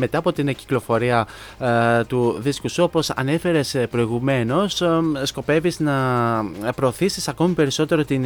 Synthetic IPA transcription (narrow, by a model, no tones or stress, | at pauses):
me̞t̪ɐːpo̞t̪inci̥klo̞fo̞ɾiɐ | t̪uðiskusuo̞po̞sɐ̰ne̞fe̞ɾe̞spɾo̞iɣume̞no̞ssko̞pe̞viznɐ | pɾo̞ːθisisɐko̞mipe̞ɾiso̞t̪e̞ɾo̞t̪in